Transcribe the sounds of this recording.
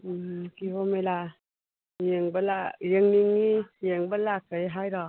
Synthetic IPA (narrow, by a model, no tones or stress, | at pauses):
ɯkiwɔmajla | jiŋbəlajəŋniŋːijeŋbəlakəjɦajɾɔ